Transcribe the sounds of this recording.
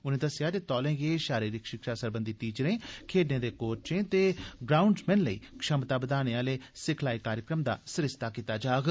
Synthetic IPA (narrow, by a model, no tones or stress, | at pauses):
ʊnẽːd̪əsɪjaːd̪eːt̪ɔːlẽːɡeːʃaːɾiːɾɪkʃɪkʃaːsəɾbənd̪iːʈ̪iːd͡ʒɾẽːkʰeːɖnẽːd̪eːkoːɾt͡ʃẽːt̪eːɡɾaːʊɳɖsmɛ̃ːnləiːkʃəmt̪aːbəd̪aːneːaːleːsɪkʰlaːiːkaːɾjəkɾəmd̪a̰ːsɾɪst̪aːkiːt̪aːd͡ʒaːɡ